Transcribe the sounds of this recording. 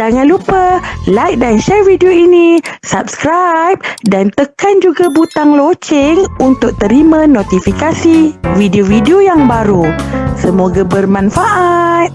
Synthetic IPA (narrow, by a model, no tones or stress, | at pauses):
d͡ʒaŋanlupəlajk̚danʃɛrvidioinisap̚skɾajp̚dant̪əkand͡ʒuɡabut̪aŋlot͡ʃɪŋunt̪ʊk̚t̪əɾimãnot̪ifikasividiovidiojaŋbaɾusəmoɡabərmãnfaʔat̪̚